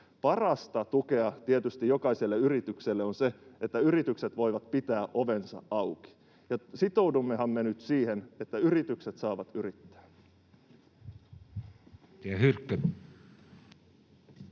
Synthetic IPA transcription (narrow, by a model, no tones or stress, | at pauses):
pɑrɑst̪ɑt̪uke̞ɑt̪iet̪yst̪ijo̞kɑise̞lːeyɾit̪ykselːeonse̞et̪ːæyɾit̪ykset̪ʋo̞jʋɑt̪pit̪æːʔo̞ʋe̞nsɑ̰ɑwki̥ | jɑsit̪o̞udumːeɦɑmːenyt̪siːhene̞t̪ːæyrit̪ykset̪sɑːʋɑt̪yrit̪ːæ̥ː | t̪eæhyrkːø